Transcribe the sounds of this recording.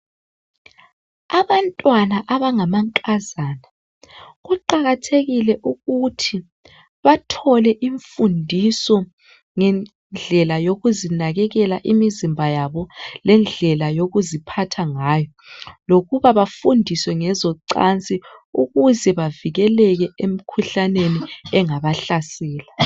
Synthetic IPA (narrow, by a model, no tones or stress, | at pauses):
aβantʼwanaʔaβaŋamaŋkʼazaːna | ɣuǃaɣatʰeɣilɛʔuɣutʰi | βatʰɔlɛʔiɱfundʱisɔ | ŋɛn | d͡ɮʱɛlajoɣuzinaɣɛɣɛlaʔimizimbʱajaβɔlɛnd͡ɮʱɛlajoɣuzipʰatʰaŋaːjɔ | loɣuβaβafundʱiswɛŋɛzɔǀant͡sʼiuɣuzɛβaviɣɛlɛɣɛʔem̩kʰuɬaneniɛŋaβaɬasɛːla